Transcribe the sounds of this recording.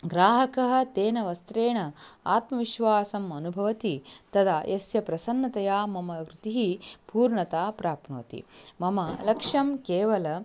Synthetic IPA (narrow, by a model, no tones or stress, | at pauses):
ɡɾaːɦɐkɐɦɐ̆t̪eːnɐʋɐst̪ɾeːɳɐa̰ːt̪mɐʋiʃʋaːsɐmɐnubʱɐʋɐt̪it̪ɐd̪ajʔɐsjɐpɾɐsɐnːɐt̪ɐjaːmɐmɐkɾut̪iɦipuːɾɳɐt̪aːpɾaːpno̰ːt̪ḭmɐmɐlɐkʂɐmkeːʋɐlɐ